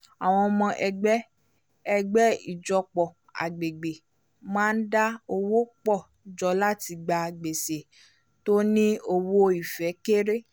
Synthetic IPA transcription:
a˨w̃ɔ̃˧mɔ̃˧ʔɛ˧ɡ͡bɛ˦ | ɛ˧ɡ͡bɛ˦i˨d͡ʒɔ˧k͡pɔ˨ | a̰˨ɡ͡be˨ɡ͡be˨ | mãː˦n̩˦da˦o˧wo˦k͡pɔ˦˨d͡ʒɔ˧la˦ti˧ɡ͡ba˧ɡ͡be˨se˨ | to˦nĩ˦o˧wo˦i˨fɛ˨˦ke˦ɾe˦

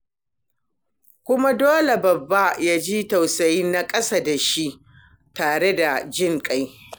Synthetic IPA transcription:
kʷʊ˦ma˦doː˦le˨bɐ˨bːa˦jaː˦d͡ʒi˦ta˨wsa˨ji˦nnːa˦kʼɐ˦sa˦da˨ʃi˦ʔ | taː˨ɽe˦da˨d͡ʒɪ˦ŋkʼa˦j

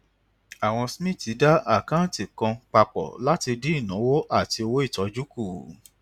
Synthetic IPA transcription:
a˨w̃ɔ̃˧smĩ˦˨ti˨˦da˦a˦˨kã˦ti˨kã˧k͡pa˧k͡pɔ̰˨la˦ti˧di˦i˦˨nã˨˦wo˦ʔa˦˨ti˧o˧wo˦i˦˨tɔ˨˦d͡ʒu˦ku˦˨

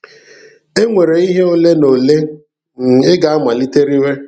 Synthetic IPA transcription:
e˦ŋʷe˨ɾe˨i˦ɦe˦o˦le˦no˨le˦ | n̩˨ɪ˦ɡa˨a˦ma˨li˦te˦ɾi˦we˦

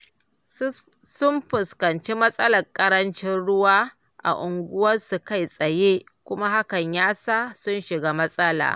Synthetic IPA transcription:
sʊ˦mɸʊ˨skɐ˨nt͡ʃi˦mɐ˦sʼɐ˦lɐ˨rkʼɐ˦ɾɐ˦nt͡ʃɪ˦nɽʊ˦waː˦ | ʔa̰˨ʔʊ˨ŋɡʷʊ˦wɐ˦rsu˨ka˦˨jsʼɐ˨je˦ | kʷʊ˦ma˦ha˦kɐ˨ɲjaː˦saː˦sʊ˦nʃɪ˨ɡaː˦mɐ˦sʼɐ˦la̰ː˨

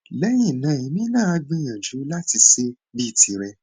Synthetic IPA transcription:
lɛ˦j̃ĩ˦˨nã˨˦i˨mĩ˦nãː˦˨a˧˦ɡ͡bĩ˧j̃ã˨d͡ʒu˨˦la˦ti˧se˦ | bi˦˨ti˧ɾɛ˧

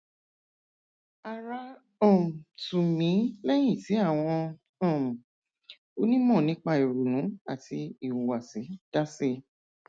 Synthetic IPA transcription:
a˨ɾa˧ | ɔ˨tu˨mĩ˨˦lɛ˦j̃ĩ˦˨ti˨˦a˦˨w̃ɔ̃˧ | ɔ̃˨ | o˦nĩ˦mɔ̃˦˨nĩ˨˦k͡pa˧i˨ɾu˨nũ˨˦a˦˨tʰi˧i˨wa˨si˨˦d̥a˦se˦˨

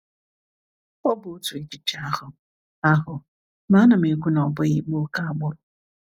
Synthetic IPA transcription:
ɔ˦bʊ˨˦tu˨i˦d͡ʒi˨t͡ʃa˦hʊ˨ | a˦ɦʊ˨ | ma˦na˨m̩˨e˨kʷu˦nɔ˨bʊ˦i˦k͡po˦ka˦a˦ɡ͡bʊ˦ɾʊ˨˦

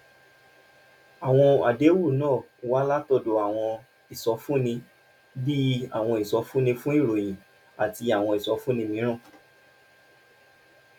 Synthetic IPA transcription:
a˨w̃ɔ̃˧a̰˨de˨˦wu˦˨nãː˦˨˦wa˦la˦tɔ˦˨do˨˧a˨w̃ɔ̃˧ | i˨sɔ˨˦fũ˦nĩ˧ | bi˦a˦˨w̃ɔ̃˧i˨sɔ˨˦fũ˦nĩ˧fũ˦i˦˨ɾo˨j̃ĩ˨ | a˨ti˧a˨w̃ɔ̃˧i˨sɔ˨˦fũ˦nĩ˧mĩ˨˦ɾ̃ã˦˨

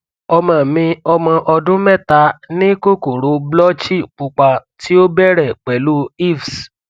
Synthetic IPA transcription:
ɔ˧mã˨mĩ˧ɔ˧mɔ̃˧ʔɔ˧dũ˦mɛ˦˨ta˨˧nĩ˦ko˦ko˨ɾo˨˦blɔ˦t͡ʃi˦˨k͡pu˧k͡pa˧ti˦o˦bɛ˦˨ɾɛ˨k͡pɛ˨lu˦i˦˨fs

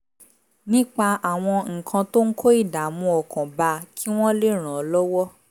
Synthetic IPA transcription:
nĩ˦k͡pa˧a˨w̃ɔ̃˧ŋ̩˨kʰã˧to˦ŋ̩˦kʰo˦i˦˨da˨mũ˧ɔ˨kʰɔ̃˨ba˧kʰi˦w̃ɔ̃˦le˦ɾ̃ã˨ɔ˨lɔ˦wɔ˦

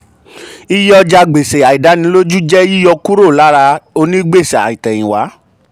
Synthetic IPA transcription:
i˦jɔ˧d͡ʒa˧ɡ͡be˨se˨a˨i˨da˨˦nĩ˧˦lo˦d͡ʒu˦d͡ʒɛ˦ji˦jɔ˧ku˦ɾo˦˨la˨˦ɾa˧o˧nĩ˦ɡ͡be˦˨sɛ˨a̰˨ĩ˨tɛ˨jĩ˨wa̰˨˦

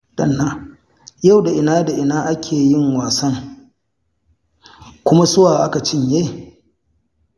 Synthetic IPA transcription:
d̥ɐ˨nːaː˦ | ja˦˨wda˨ʔɪ˨naː˦da˨ʔɪ˨naː˦ʔa˦kʲʰeː˨jɪ˦˨ŋwaː˨sɐ˦ŋ | kʷʊ˦ma˦sʊ˦waː˨ʔa˦ka˨t͡ʃɪ˦ɲjeː˦

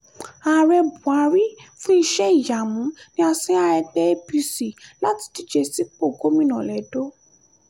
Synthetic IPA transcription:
a˨ɾɛ˧bu˨a˨˧ɾi˦fũ˦i˧ʃɛ˦i˨ja˨mũ˨˦nĩ˦a˧sĩ˦a˧ɾɛ˧k͡pɛ˦e˦pi˧si˨la˦ti̥˧ti˦d͡ʒe˧si˨˦k͡po˦˨ɡo˨˦mĩ˧nã˨lɛ˨do˦

